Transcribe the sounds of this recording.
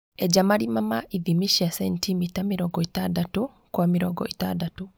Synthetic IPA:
ɛd͡ʒamaɾimamaʔiðimiʃiasɛntʰimitamiɾɔɡɔitadatu | kwamiɾɔɡɔ̰itadatu

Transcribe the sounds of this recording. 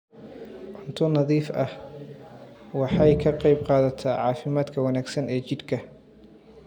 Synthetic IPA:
ʕʊnt̪ʰʊnɑðiːfɐh | wɑħɑjkʰɐqɑjb̚qɑːðɐt̪ʰaːʕɑːfɪmaːd̪kʰɐwɐnaːɡsɐnɛːt͡ʃɪd̪kʰɐ

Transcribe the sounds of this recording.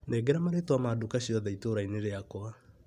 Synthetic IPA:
nɛɡɛɾamaɾetwamadukaɕiɔðɛitoɾaineɾeakwa

